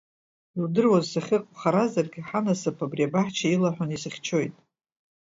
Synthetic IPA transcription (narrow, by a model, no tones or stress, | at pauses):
ildɨrwazsaχʲɪqʼχaɾazarɡʲɪħanasapʰabriabaħt͡ʃʰailaħʷᶣʊnisɨχʲt͡ʃʰo̞jtʼ